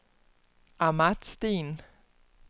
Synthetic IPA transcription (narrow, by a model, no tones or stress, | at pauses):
amad̥sd̥ḛːn